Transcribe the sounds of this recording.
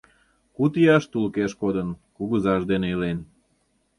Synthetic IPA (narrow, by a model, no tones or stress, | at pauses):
kut̪iɑʃt̪ulkeʃkod̪ənkuɣəzɑʒd̪eneelen